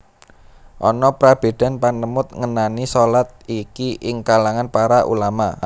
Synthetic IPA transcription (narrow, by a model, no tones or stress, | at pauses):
ʔɔ̰nɔpɾab̥e̤d̪̥a̤npanəmʊt̪̚ŋənanisɔlat̪̚ikiʔɪŋkalaŋanpaɾaʔṵlama